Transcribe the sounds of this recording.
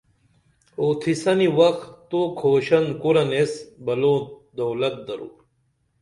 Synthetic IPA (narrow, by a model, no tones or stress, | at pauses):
oːt̪ʰisɐniwɐkt̪okʰoːɕɐnkoɾɐnesbɐloːd̪owlɐt̪̚d̪ɐɾṵːɾ